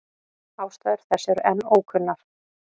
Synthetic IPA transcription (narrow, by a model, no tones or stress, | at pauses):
aːwst̪aːðɪɾ̥θɛsːɛɾʔɛnːoːwkʰʏnːaɾ̥